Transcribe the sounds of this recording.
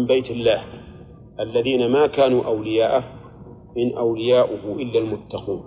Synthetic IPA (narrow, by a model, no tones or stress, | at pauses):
mbajt̪ɪlːaːh | ʔalːaðiːnamaːkaːnuːʔawlɪjaːʔa | mɪnʔawlɪjaːʔʊhʊʔɪlːalmʊt̪ːɑquːn